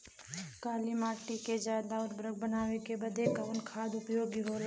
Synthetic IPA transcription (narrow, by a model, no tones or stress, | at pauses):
kaːlimaːʈiked͡ʒaːd̪aʊd̪bɾəɡ̚bənaːwekebəd̪ʱekaʋʊnkʰaːd̪ʊpjoːɡiɦoːl